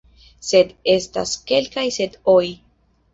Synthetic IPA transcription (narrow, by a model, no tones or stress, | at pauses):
se̞d̪e̞sta̰ske̞lkajse̞doj